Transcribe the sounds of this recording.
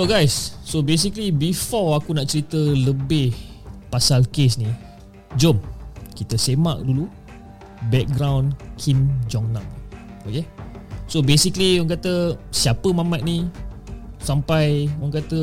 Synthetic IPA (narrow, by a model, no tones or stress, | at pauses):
oɡajsːobes̬iklibifɔakunaʔt͡ʃəɾit̪ələbɪh | pasalkesni | d͡ʒomkit̪əsema̰ʔ̚dulu | bɛk̚ɡɾãwnkʰimd͡ʒɔŋnãŋokesobesikliwɔŋk̬at̪əsiapəmãmat̪̚ni | sampajaŋk̬at̪ə